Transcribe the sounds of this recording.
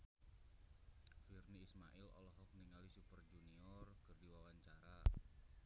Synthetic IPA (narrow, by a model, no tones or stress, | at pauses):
firniːsmaʔilɔ̰lɔɦɔk̚niŋalisupərd͡ʒuniɔrkərdiwawaɲt͡ʃaɾa